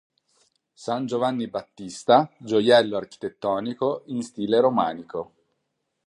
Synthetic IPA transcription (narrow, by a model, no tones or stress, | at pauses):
sand͡ʒovanːibat̪ːist̪ad͡ʒojɛlːoark̟i̥t̪et̪ːɔːnikoinst̪iːleɾoma̰ːniko